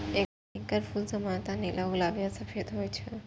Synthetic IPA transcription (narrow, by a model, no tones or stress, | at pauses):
e | iŋkaɾfulzəmant̪anelʔaulabijasafet̪ɦojet͡ɕʰe